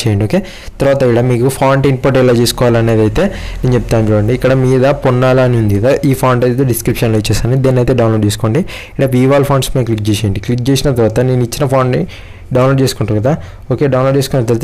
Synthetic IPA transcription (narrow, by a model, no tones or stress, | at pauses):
t͡ʃeːjɐɳɖioːkeː | t̪ɐɾʋaːt̪ɐiɽamiːkupʰaːɳʈinpoɾʈɛlːɐt͡ʃesu̥kɔʋaːlɐne̞ːd̪ɐjt̪e̞ːnneːnt͡ʃep̚t̪aːnd͡ʒoːɐɳɖiːkːɐɽɐmiːd̪ɐpunːaːlaniund̪iɐd̪ɐʔiːpʰaːɳɖɐjt̪eɖiskɾipʂɐnloit͡ʃːɛːsaːnid̪eːnɐjt̪e̞ːɖɐwnloːɖt͡ʃeːsukoːɳɖi | iɽaːp̬iːʋaːlpʰaːɳspɐklik̚d͡ʒeːʃɐːjɐɳɖiklik̚d͡ʒeːsinɐt̪ɐɾʋaːt̪ɐne̞ːnuit͡ʃːinɐpʰaːɳɖni | ɖɐwnloːɖt͡ʃeːsukuɳʈaːɾɡɐd̪a | oːke̞ːɖɐwnloɖt͡ʃeskont̪ɐɾt̪